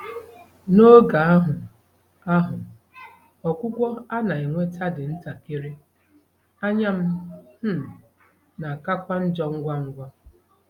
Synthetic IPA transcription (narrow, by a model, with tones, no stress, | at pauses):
no˦ɡa˨a˦ɦʊ˨ | a˦ɦʊ˨ | ɔ˨kʷʊ˦kʷɔ˦a˦na˨i˨ŋʷe˦ta˦dɪ˨n̩˦ta˨ke˦ɾe˦ | a˦ɲa˦m̩˦m̩˦ | na˨ka˦kʷa˦n̩˦d͡ʒɔ˦ŋ̩˦ɡʷa˦ŋ̩˦ɡʷa˦